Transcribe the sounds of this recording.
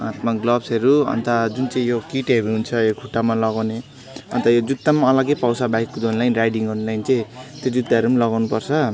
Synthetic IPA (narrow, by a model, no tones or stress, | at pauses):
ã̰t̪maɡlʌbsʌɾuʌ̰nt̪ʌd͡zunt͡sʌĩjokiʈʌɾuɦunt͡sʰʌjokʰuʈːamalʌɡawne | ʌnt̪ʌjod͡zut̪ːamaʌlʌɡepawsabaikːud̪onlajnrajɖiŋʌɾulajnt͡sʌĩt̪jod͡zud̪aʌɾumalʌɡawnupʌrt͡sʰʌ